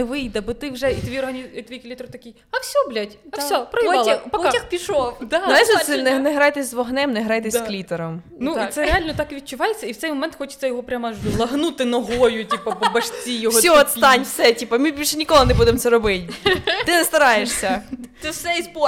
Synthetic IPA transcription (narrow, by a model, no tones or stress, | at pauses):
nɛʋɪjd̪ɐbɔt̪ɪwʒɛit̪ɔʋʲiɔrɦɐnʲit̪ʋjiklʲit̪ɾʊt̪ɐkʲij | ɐfsʲɔblʲatʲɐsʲɔpɾɔɔipɐtʲɐxpʲiʃɔd̪nɛɛsɛnɛnɛɦɾɑjt̪ɛsʲzʋɔɦnɛmnɛɦɾɑjt̪ɛssklʲit̪eɾɔm | nuisɛɾealʲnɔt̪ɑkʋʲid̚t͡ʃʊʋɑjet͡sʲːɐiwt̪sɛjmɔmɛnt̪xɔt͡ʃɪ̥t̪sɛjɔɦɔpɾʲamɐʒlˠɐɦnut̪ɪnɔɦɔjʊtʲipɐpɔbɐʃt͡sʲijɔɦɔsʲɔɔt̪st̪ɑnʲfsɛtʲipɐmɪbʲilʲʃɛnʲikɔlˠɪnɛbud̪emt̪sɛɾɔbɪtʲt̪ɪnɛst̪ɐɾɑjeʃsʲɐt̪ɪsɛizpɔ